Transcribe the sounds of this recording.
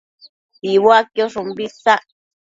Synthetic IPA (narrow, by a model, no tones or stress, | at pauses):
tiβoakjoʂũmbisa